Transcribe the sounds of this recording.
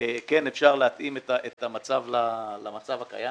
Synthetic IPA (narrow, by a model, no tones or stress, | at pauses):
ekenefʃaʁleat̪imet̪aʔet̪amat͡savlalamat͡savaka̰ja